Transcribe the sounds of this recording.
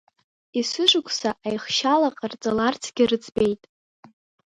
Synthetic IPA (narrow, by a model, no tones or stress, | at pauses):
isɨʒʷʊkʷʰʼsaʔajχʃalaqʼart͡sʼalart͡sʰɡʲirɨt͡sʰʼbe̞jtʼ